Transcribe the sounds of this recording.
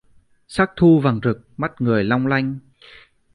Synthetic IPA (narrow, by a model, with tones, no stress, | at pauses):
saː˦˥k̚t̪ʰu˧va˨˩ŋzɨ˨˩k̚ma˦˥t̚ŋɨ˨˩əjla˧wŋ͡mla˧jŋ̟